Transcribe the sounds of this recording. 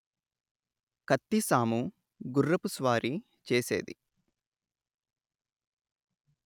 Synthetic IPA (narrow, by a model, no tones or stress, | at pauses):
kɐt̪ːisaːmu | ɡurːɐpusʋaːɾʔi | t͡ʃeːsḛːd̪ḭ